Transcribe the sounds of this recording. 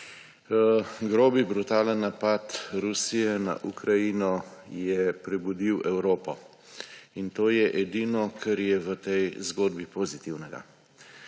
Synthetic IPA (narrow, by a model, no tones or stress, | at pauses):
ɡɾoːbibɾut̪aːlanapat̪ɾusijɛna̰ʔukɾajinɔjɛpɾɛbud̪iwɛwɾoːpɔ | int̪oːjɛʔɛd̪inɔkʰɛɾjɛʋət̪ɛjzɡoːd̪bipoːzit̪iwnɛɡa̰